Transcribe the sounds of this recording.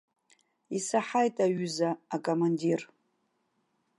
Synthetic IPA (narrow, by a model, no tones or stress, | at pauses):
isaħajtʼaɥʏzaːkʼomandir